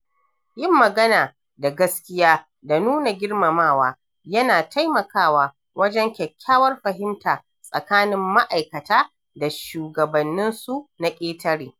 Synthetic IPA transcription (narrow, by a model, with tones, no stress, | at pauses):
jɪ˦mːɐ˨ɡɐ˦naː˨ | da˨ɡɐ˦skʲɪ˦jaː˦ | da˨nuː˦na˨ɡʲɪ˦rmɐ˨maː˦˨waː˦ | jɐ˦naː˨tʰa˦jmɐ˨kaː˦waː˨ | wɐ˦d͡ʒɛ˦ŋkʲɛ˨kʲʰːaː˦wɐ˦rɸɐ˨ɦɪ˦mtaː˨ | sʼɐ̰˨kaː˦nɪ˦mːa˦ʔa˨jkɐ˨taː˦ | da˨ʃuː˨ɡɐ˨bɐ˨nːɪ˦nsu˦na˨kʲʼeː˦tɐ˦ɽiː˨